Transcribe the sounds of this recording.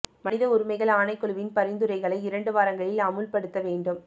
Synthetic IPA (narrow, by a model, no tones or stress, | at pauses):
mɐnɪðɐʊɾʊmɐɪɣɐɭaːnɐɪkːɔɭɯʋɪnpɐɾɪnd̪ɯɾɐɪɣɐɭɐɪɪɾɐɳɖɯʋaːɾɐŋɡɐɭɪlɐmɯlpɐɽɯt̪ːɐʋeːɳɖɯm